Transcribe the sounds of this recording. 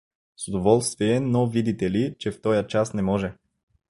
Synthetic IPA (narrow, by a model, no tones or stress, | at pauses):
sod̪ovɔlˠst̪viɛnovid̪it̪ɛlit͡ʃɛft̪ɔjət͡ʃasnɛmɔʒɛ